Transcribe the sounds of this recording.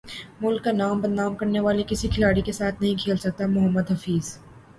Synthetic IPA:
mʊlkːanaːmbɐd̪naːmkɐɾneʋaːlikɪsikʰɪlaːɽikesaːt̪ʰnɐɦĩkʰeːlsɐk̚t̪amʊɦəmːəd̪ɦɐfiːz̥

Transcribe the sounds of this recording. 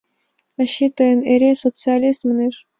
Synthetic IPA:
ɐɕːit̪əjəneɾʲesot̪sɨalʲist̪mnʲiʐ

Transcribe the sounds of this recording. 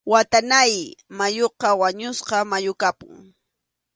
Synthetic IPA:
wat̪anajmajoqɑwaɲʊsqɑmajʊkapʊ̰ŋ

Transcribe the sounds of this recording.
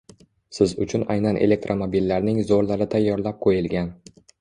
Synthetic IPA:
sɪzʊt͡ʃʰʊna̰jnanʔele̞k̚t̪ɾʔomobilːaɾnɪŋzoɾlaɾɪt̪ʰajːɒɾlap̚qʰojɪlɡʲan

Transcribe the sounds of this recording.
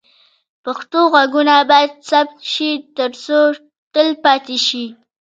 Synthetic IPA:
paxt̪oɣaɡunabɑjad̪sap̚t̪ʃit̪əɾt͡so | t̪əlpɑt̪eʃi

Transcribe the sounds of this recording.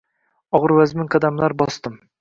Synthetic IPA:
ɒʁɨɾvazmɪŋkʰad̪amlaɾbɒst̪ɪm

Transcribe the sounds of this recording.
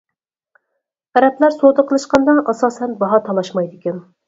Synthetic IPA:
æɾɛplæɾsod̪əqʰəlˠɨʃqɑnd̪ɑnʔɑsɑːsɛnbɑɦɑt̪ʰɑlˠɑʃmɑjd̪ɪkʲɛn

